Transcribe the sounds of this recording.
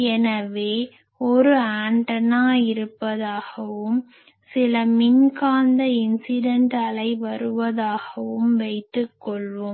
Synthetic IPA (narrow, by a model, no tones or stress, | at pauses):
ɛnɐʋeː | ɔɾɯaːɳʈɐnaːɪɾɯpːɐðaːɣɐʋɯm | sɪlɐmɪnkaːnd̪ɐɪnsɪɖɐɳʈɐɭɐɪʋɐɾɯʋɐðaːɣɐʋɯmʋɐɪt̪ːɯkːɔɭʋɯm